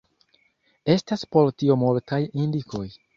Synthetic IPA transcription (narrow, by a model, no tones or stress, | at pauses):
e̞staspo̞ltiomultʰajindiko̞j